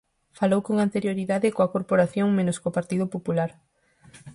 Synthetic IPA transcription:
falowkoŋant̪eɾjoɾiðaðɪkoakoɾpoɾaθjoŋmẽnʊskopaɾt̪iðʊpopulaɾ

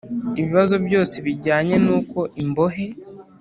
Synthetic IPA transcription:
iβiβazo̞bɟo̞ːse̞βiɾɟaːɲe̞nuːko̞ʔimbo̞ɦe̞

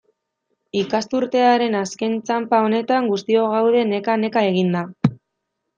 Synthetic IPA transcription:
ikast̪uɾt̪e̞aɾe̞naske̞nt͡sampao̞ne̞t̪aŋɡust̪io̞ɣ̞awð̞e̞ne̞kane̞kae̞ɣ̞ind̪a

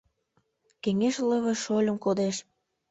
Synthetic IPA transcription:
keŋeʃləβeʃolʲə̆mkod̪eʃ

